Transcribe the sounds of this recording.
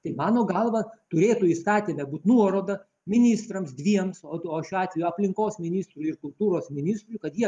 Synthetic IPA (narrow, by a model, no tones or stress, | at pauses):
t̪ɐɪmɑːnoːɡɐlˠʋɐt̪ʊɾʲeːt̪ʊist̪ɑːt̪ʲiːmʲɛbuːt̪ʲnuɔɾoːd̪ɐ | mʲɪnʲɪst̪ɾɐmsd̪ʲʋʲiɛmsooːʃʲuɑːt̪ʲʋʲɛjuɐpʲlʲɪŋkoːsmʲɪnʲist̪ɾuɪrkʊlˠt̪uːɾoːsmʲɪnʲɪst̪ɾʊjkɐt̪jiɛ